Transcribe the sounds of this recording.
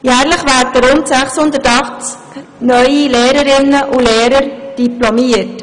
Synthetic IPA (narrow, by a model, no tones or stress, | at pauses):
jæːɾləχʋæːɾtəɾʊntsæχshʊnd̪ətɑχt͡sk | nœʏileːɾəɾɪnːəʔulɛːɾəɾd̥iplɔmiət